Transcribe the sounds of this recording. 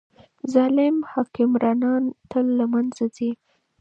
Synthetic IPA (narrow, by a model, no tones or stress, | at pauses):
zɑlɪmhɑkɪmɾɑnɑnt̪əlːamanzazi